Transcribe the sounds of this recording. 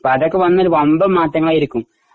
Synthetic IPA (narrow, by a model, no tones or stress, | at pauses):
poɐðokːeʋɐnːɐoɾuʋɐmbɐmaːtːɐŋːɐɭaːjiɾikʲːum